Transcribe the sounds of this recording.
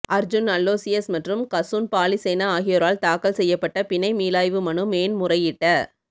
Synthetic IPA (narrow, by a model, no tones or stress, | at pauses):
ʔɐɾd͡ʒʊnɐlːoːsɪjɐsmɐʈrɯmkɐsunpaːlisɛːnɐaːɣɪjɔɾaːlt̪aːkɐlsɛjːɐpːɐʈːɐpɪnɐɪmiːlaːjʋɯmɐɳɯmeːnmʊrɐjɪʈːɐ